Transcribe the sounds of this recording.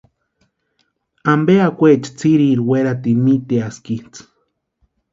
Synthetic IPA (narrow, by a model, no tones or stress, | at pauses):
ambeakʷet͡ʃt͡sʰiɾiɾweɾat̪imit̪easkit͡s